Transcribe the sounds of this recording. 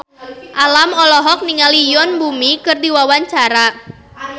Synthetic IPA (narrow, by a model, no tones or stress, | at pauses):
ʔalamɔlɔɦɔk̚niŋalijɔnbumikɨrdiwawaɲt͡ʃaɾa